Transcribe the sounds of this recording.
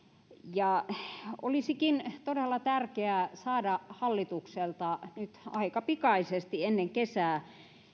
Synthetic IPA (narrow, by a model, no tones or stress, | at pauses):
jɑ | o̰lisikint̪odelːɑt̪ærkeæsɑːdɑhɑlːit̪ukselt̪ɑnyt̪ɑ̰ikɑpikɑisest̪ienːeŋkesæː